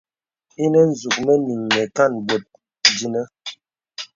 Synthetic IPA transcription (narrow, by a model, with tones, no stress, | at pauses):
i˦nɛ˦n̩˨zu˨k̚mɛ˦ni˨ŋːɛ˨ka˦˨nbo˨t̚ | di˦nə˦